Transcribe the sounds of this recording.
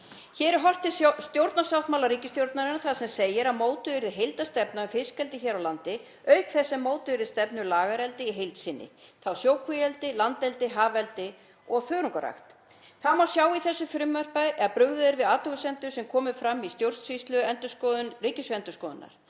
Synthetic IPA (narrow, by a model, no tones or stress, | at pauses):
çɛːɾɪɾɦɔr̥t̪ɪst̪jowɾt̪nasawht̪mawlaɾiːcɪst̪jowɾt̪naɾɪnːaɾθaðsɛmsejɪɾamoːwt̪ʏɪɾðɦejlt̪ast̪ɛpnaʏfɪskɛlt̪ɪçɛːɾawlant̪ɪ | œɥkθɛsːɛmːoːwt̪ʏɪɾðst̪ɛpnʏɾlaːɣaɾɛlt̪ɪiɦejlt̪sɪnːɪ̰θawsjoːwkʰvʏjɛlt̪ɪlant̪ɛlt̪ɪɦaːvɛlt̪ɪ | ɔɣθœːɾuŋkaɾa̰xt̪ | θaðmawsjaːwiθɛsːʏfɾɪmːœr̥paðʔɛðpɾʏɣðʏðɪɾvɪðaːt̪ʏɣʏsɛnt̪ʏ̥sɛmkʰɔːmɪfɾamːist̪jowɾ̥t̪svist̪lʏɛnt̪ʏskɔriːcɪsʏɛnt̪ʏskɔːðʏnːa̰ɾ̥